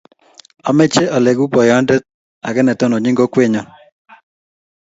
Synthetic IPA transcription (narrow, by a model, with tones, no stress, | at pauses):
ɔ˨mɛ˦t͡ʃe˦ɔ˨le˨ɡu˦pɔ˨jɔ˦ndɛ˦t̪̚ | a̰˨ɡɛ˦nɛ˨t̪ɔ˦nɔ˨ɲɪ˦ŋɡo˦kwe˦ɲɔ˦